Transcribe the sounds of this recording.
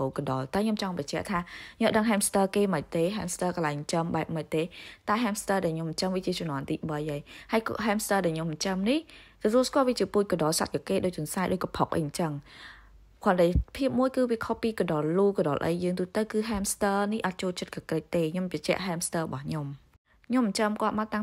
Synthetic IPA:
oːkəɗɑlt̪aəɲomt͡ɕɑŋpɑt͡ɕɛ̆əʔt̪ʰaːɲŏəʔɗəŋɦɛːmst̪əːkeːməc̚t̪eːɦaːmst̪əːkəlaɛjŋt͡ɕəmɓaɛp̚məc̚t̪eːt̪aəɦɛːmst̪əːɗaɛlɲoməɲt͡ɕəŋʋiət͡ɕiət͡ɕɔnɔ̆ənt̪iːɓəjʔəjhaəjkɦɛːmst̪əːɗaɛɲomːəɲt͡ɕəmniht̪ɔt̪uəlskŏəlʋiət͡ɕiəpuːc̚koɗɑːlsa̰t̪̚kakeːɗoːc̚t͡ɕoənsaɛʔ̚ɗoːc̚kɔpʰok̚ʔə̰jt͡ɕəŋ | kʰoənɗəjpʰiəp̚muəjkɨːʋiəkʰohpiːkoɗɑlluːkɔɗɑ̰ːlʔə̰jːəːŋt̪uht̪əwkɨːɦɛːmst̪əːnihʔɑt̪̚t͡ɕoːlt͡ɕət̪̚kʰəkrəc̚t̪eːɲompɑt͡ɕɛ̆əʔɦɛːmst̪əːrəɓɑhɲom | ɲomːəɲt͡ɕəmkŏət̪̚maət̪a

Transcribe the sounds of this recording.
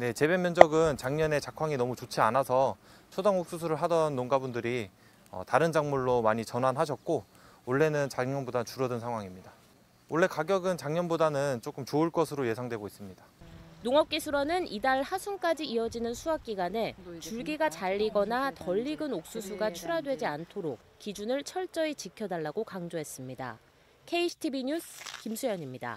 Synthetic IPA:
ne̞t͡ɕe̞bemːjʌnd͡ʑʌɡɯnt͡ɕaŋɲʌne̞t͡ɕakʰaŋinʌmut͡ɕot͡ɕʰianasʰʌt͡ɕʰodaŋok̚s͈us̬ʰuɾɯɭɦadʌnːoŋɡabundɯɾi | ʌ̰taɾɯnd͡ʑaŋmuɭːomaɲit͡ɕʌnɦanɦaɕ̬ʰʌk̚k͈o | oɭːe̞nɯnt͡ɕaɲʌnbodant͡ɕuɾʌdɯnsʰaŋɦwaŋimɲida | oɭːe̞kaɡjʌɡɯnt͡ɕaŋɲʌnbodanɯnt͡ɕ͈ok͈ɯmt͡ɕoɯɭk͈ʌsʰɯɾoje̞sʰaŋdwe̞ɡois͈ɯmɲidanoŋʌp̚k͈isʰuɾʌnɯnidaɭhasʰunk͈ad͡ʑiiʌd͡ʑinɯnsʰuak̚k͈iɡwane̞t͡ɕuɭɡiɡat͡ɕaʎːiɡʌnatʌʎːiɡɯnok̚s͈usʰuɡat͡ɕʰuɾadwe̞d͡ʑiantʰoɾok̚k͈id͡ʑunɯɭt͡ɕʰʌɭt͡ɕ͈ʌet͡ɕikʰjʌdaɭːaɡokaŋd͡ʑoɦe̞s͈ɯmɲida̰ | kʰe̞iɕʰi̥tʰibiɲusʰkimsʰujʌɲimɲida̰

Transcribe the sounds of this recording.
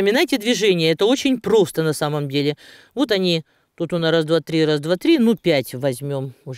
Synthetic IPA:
əmʲɪnajtʲɪd̪vʲɪʐɛnʲɪjəɛt̪əo̞t͡ɕɪnʲpɾo̞st̪ənɐsaməmdʲelʲɪ | vo̞t̪ɐnʲi | t̪ut̪ʊnaɾazd̪vat̪ɾʲiɾazd̪vat̪ɾʲinupʲætʲvɐzʲmʲo̞mʊ

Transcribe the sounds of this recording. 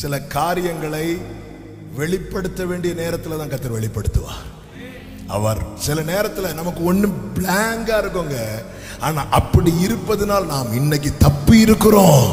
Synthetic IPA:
sɪlɐkaːɾɪjɐŋɡɐɭɐɪ | ʋɛɭɪpːɐɽɯt̪ːɐʋeːɳɖɪjɐneːɾɐt̪ːɪlɐt̪ãːŋkɐt̪ːɪɾʋɛɭɪpːɐɽɯt̪ːɯʋã̰ː | ɐ̰ʋɐɾsɪlɐneːɾɐt̪ːɪlɐnɐmɐkːɯɔnːɯbɭaːŋɡaːɪɾɯkːoːŋɡɐ | aːnaːʔɐpːɐɽiɪɾɯpːɐðɯnaːlnaːmɪnːɛk̬ːit̪ɐpːɯɪɾɯkːɯɾõː

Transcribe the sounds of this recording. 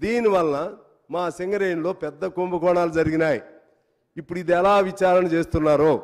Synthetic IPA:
d̪iːniʋɐlːɐ | maːseŋɡɐɾejnlo̞ːpɛd̪ːɐkumbɐkɔːɳaːlud͡ʒɐɾiɡinaːji | ipːuɽuid̪iɛlaːʋit͡ʃaːɾɐnɐt͡ʃeːst̪unːaːɾoː

